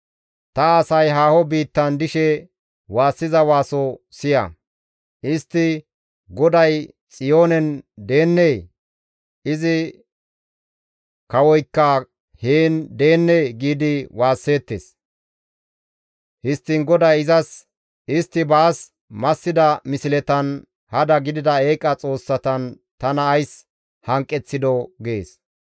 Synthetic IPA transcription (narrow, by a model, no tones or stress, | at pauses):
t̪ɐɐsɐjɦaːhɔbiːt̪ːɐnd̪ɪʃɛ | waːsːɪzɐwaːsɔsɪjɐ̰ | ɪst̪ːɪ | ɡɔd̪ɐj | t͡sʼɪjo̞ːnɛnd̪e̞ːnːej | ɪzɪ | kɐwɔjkːɐ | heːnd̪e̞ːnːejɡiːd̪ɪwaːsːe̞ːt̪ːḛs | hɪst̪ːɪŋɡɔd̪ɐjɪzɐs | ɪst̪ːɪbaːs | mɐsːɪd̪ɐmɪsɪlɛt̪ɐn | hɐd̪ɐɡɪd̪ɪd̪ɐeːkʼːɐt͡sʼo̞ːsːɐt̪ɐn | t̪ɐnɐːjs | hɐŋkʼːɛt͡sːɪd̪ɔɡeːs